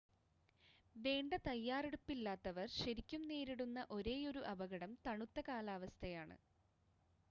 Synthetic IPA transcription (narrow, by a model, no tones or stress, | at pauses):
ʋe̞ːɳɖɐt̪ɐjːaːreɽupːilːaːt̪ːɐʋɐrɕɐɾikʲːumne̞ːɾiɽunːɐʔo̞ɾe̞ːjo̞ɾuʔɐbɐɣɐɽɐmt̪ɐɳut̪ːɐkaːlaːʋɐst̪ʰɐjaːɳɨ̰